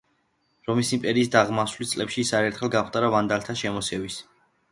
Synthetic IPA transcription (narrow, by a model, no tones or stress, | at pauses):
ɾɔmisimpʼɛɾiːsd̪aʁmaswlist̪sʼlɛpʃiːsaɾɛɾt̪ʰχɛlˠɡat̪ʼaɾavand̪alt̪ʰaʃɛmɔsɛvis